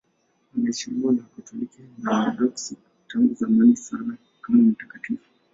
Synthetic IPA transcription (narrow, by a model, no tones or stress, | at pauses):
anaɛʃimɔnakutʰulikanaaɗɔksi | taŋɡuzamanisana | kamam̩tḁkatifu̥